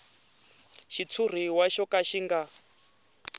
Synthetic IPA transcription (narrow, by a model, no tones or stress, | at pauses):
ʃit͡sʰur̤iwaʃɔkaʃiŋɡa